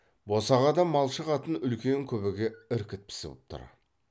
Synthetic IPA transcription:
bo̞sɑʁɑd̪ɑmɑlˠʃəʁɑt̪ənʏlkʲe̞ŋkʲʰɵbɪɡʲe̞ɪɾkʲɪt̪̚pʰɪ̥sɪ̰wə̰p̚t̪ʰʊ̰ɾɑ̰

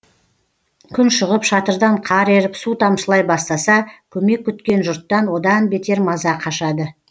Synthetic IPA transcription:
kʲʰʏnʃʊʁəpʃɑt̪əɾd̪ɑɴqʰɑɾe̞ɾɪpsut̪ʰɑmʃəlˠɑjbɑst̪ɑsɑkʲʰɵme̞kʲːʏt̪kʲe̞nʒʊɾt̪ːɑnwo̞d̪ɑnbe̞t̪e̞ɾmɑzɑqʰɑʃɑd̪ə

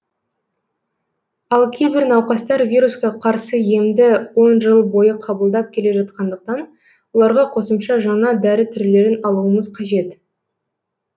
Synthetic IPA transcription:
ɑlˠkʲʰejbɪɾnɑwqɑst̪ɑɾvʲijɾuskʲɑqʰɑɾsəje̞md̪ɪwo̞nʒəlˠbo̞jəqʰɑbəlˠd̪ɑp̚kʲʰe̞le̞ʒɑt̪̚qɑnd̪əq̚t̪ɑn | wo̞lˠɑɾʁɑqʰo̞səmʃɑʒɑɴɑd̪æɾɪt̪ʰʏɾle̞ɾɪnɑlˠuəməzqʰɑʒe̞t̪

